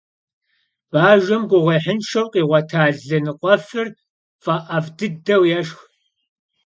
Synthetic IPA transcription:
b̥aːʒɐmɡʷʊʁeːħənʃɐwqʼiːʁʷɐtʰaːɮɐnɨqʷʼɔfɨr | fʼɐʔɐvdɨdɐwjɛʃx

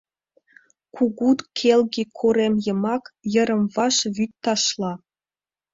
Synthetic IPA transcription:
kʰuɣut̪kʰelɣikʰoɾemjə̆mɑkjə̆ɾə̆mvɑʃβyt̪ːɑʃlˠɑ

